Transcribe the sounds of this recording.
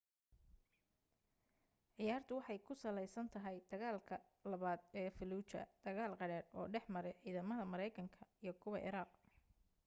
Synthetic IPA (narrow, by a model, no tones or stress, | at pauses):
ʕɪjaːrt̪ʰʊwɑħɑjkʰʊsɐlɛjsɐnt̪ʰɐɦɛjd̪̥ɐɣaːlkʰɐ | lɐβaːd̪ɛːfɪluːt͡ʃɐ̰d̪̥ɐɣaːlqɑɽɛːdɔ̰ːɖɛħmɐɾɛjʕiːðɐmɐðɐmɐɾɛjkʰɐŋkʰɐijɞkʰʊβɐ̰ʔɪ̰ɾaːq̚